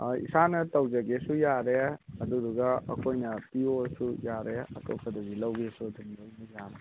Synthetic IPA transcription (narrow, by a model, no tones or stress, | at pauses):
ḭsanɐtɐwd͡ʒɐɡesujaɾeɐd̪uduɡɐɐ̰kʰojnɐpiosujaɾeɐ̰tʰo̰kʰɐd̪ɐɡilɐwɡisudumdɐwnɐjaɾḛ